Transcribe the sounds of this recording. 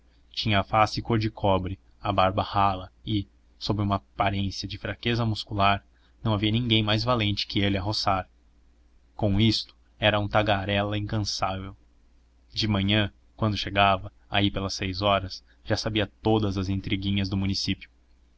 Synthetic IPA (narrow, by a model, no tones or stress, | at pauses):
t͡ʃĩɲɐːfasɪkoɾd͡ʒɪkʰɔbɾɪ | ɐbaɾbɐhalɐɪ | sobɾɪũmɐpaɾẽsiɐd͡ʒɪfɾakezɐmuskulaɾ | nɐ̃w̃aviɐnĩɡẽj̃majzvalẽnt͡ʃɪ̥kɪelɪɐɦosaɾ | kõw̃ist̪ʊ̥ | ɛɾɐũt̪aɡaɾɛlɐĩŋkɐ̃savew | d͡ʒɪmɐ̃ɲɐ̃ | kwɐ̃nd̪ʊʃeɡavɐ | aipelɐsːejzɔɾɐs | ʒ̥asabiɐt̪od̪ɐzɐzẽnt̪ɾiɡĩɲɐzd̪ʊmũnisipjʊ